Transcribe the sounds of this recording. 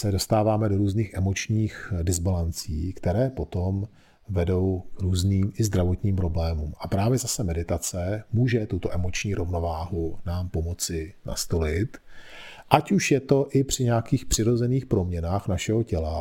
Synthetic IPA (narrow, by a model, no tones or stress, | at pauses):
sɛdo̞st̪aːvaːmɛdo̞ɾuːzniːxʔɛmo̞t͡ʃɲiːxdɪzbalant͡sḭːkt̪ɛɾɛːpo̞t̪o̞m | vɛdo̞wkɾuːzniːmʔɪzd̪ɾavo̞t̪ɲiːmpɾo̞blɛːmuːmʔapɾaːvjɛzasɛmɛdɪt̪at͡sɛmuːʒɛt̪ut̪o̞ʔɛmo̞t͡ʃɲiːɾovno̞vaːɦunaːmpo̞mo̞t͡sɪna̰st̪o̞lɪt̪ | ʔacuʃjɛt̪o̞ʔɪpr̝̥ɪɲɛakiːxpr̥ɪɾo̞zɛniːxpɾo̞mɲɛnaːxnaʃɛɦocɛla